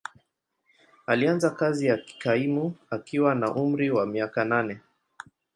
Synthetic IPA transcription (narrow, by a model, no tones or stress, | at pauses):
alianzakazijaki̥kaimuakiwanaʔum̩ɾiwamiakananɛ